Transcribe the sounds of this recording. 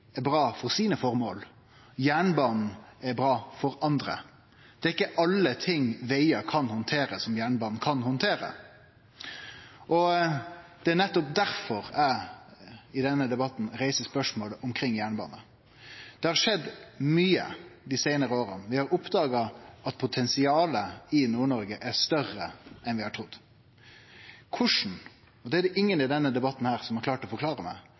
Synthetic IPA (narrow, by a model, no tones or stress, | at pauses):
æɾbɾɑːfɔɾsiːnəfɔɾmoːl | jæːɳbɑːnn̩æbɾɑːfɔɾɑnd̪ɾə̰ | d̪̥ɛːæɾɪkːəʔɑlːət̪ʰɪŋʋæɪɑkʰɑnhʊnt̪ʰeːɾəsɔmjæːɳbɑːnn̩kʰɑnhʊnt̪ʰeːɾə̰ | ʔɔ | d̪̥ɛænɛt̪ːɔp̚d̪æɾfɔɾæ | ɪd̪ɛnːəd̪ɛbɑt̪n̩ɾæɪsəspœʂmoːləʔʊmkʰɾɪŋːjæːɳəbɑ̰ːnə | d̪̥ɛhɑɾʂɛd̪ːmyːə̰d̪ɪsæɪnəɾəoːɾənʋɪhɑɾʊpd̪ɑːɡɑʔɑt̪pʰʊt̪ʰɛnsɪɑːləɪnuːɳɔɾɡəʔæɾʂt̪œrːəʔɛnʋɪhɑʈʰɾʊd̪ː | kʰʊʂn̩ | ɔd̪ɛæd̪ɛʔɪŋːənɪd̪ɛnːəd̪ɛbɑt̪ːn̩hæːɾsɔmhɑklɑːʈɔfɔɾklɑːɾəmæ̰ɪ